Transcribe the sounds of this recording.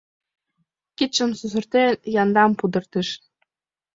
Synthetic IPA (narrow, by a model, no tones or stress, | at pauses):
kit̪t͡ɕə̆msuzɤ̆rt̪enjɑnd̪ɑmpud̪ɤ̆rt̪ĭʃ